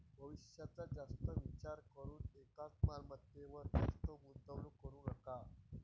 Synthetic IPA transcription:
bʱəʋiɕjat͡sad͡zast̪əʋit͡ɕaɾkəɾuːnekat̪malməd̪ʱjeʋəɾd͡zast̪əɡunt̪əʋlukəɾũːnəka

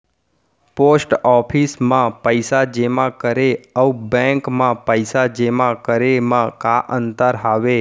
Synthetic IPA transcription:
posʈɔpʰismãpəjsad͡ʒemãkəɾeəubɛ̃ŋkmãpəjsad͡ʒemãkəɾemãkaʔənt̪əɾɦaʋe

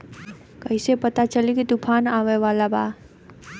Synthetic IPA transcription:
kəjsepət̪at͡ʃəlikit̪upʰanaʋeʋalaba

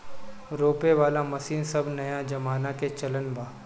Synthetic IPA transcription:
ɾoːpeʋaːlamɐsiːnsɐbʱnɐjad͡ʒɐmaːnaket͡ʃɐlənbaː

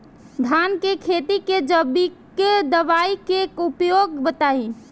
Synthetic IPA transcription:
dʱankekʰet̪iked͡ʒəbiked̪əʋaikekupjoɡbət̪ai

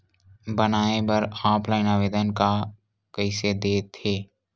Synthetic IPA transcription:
bənaːebəɾaːpʰlaːɪnaʋeːd̪ənka | kəɪsed̪eːt̪ʰeː

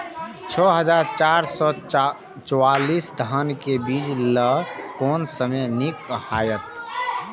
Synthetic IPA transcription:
t͡ʃʰɔɦəd͡ʒaɾt͡ʃaɾsɔ | t͡ʃɔwalisd̪ʱənkebid͡ʒləkɔnsəmenikːhajət̪

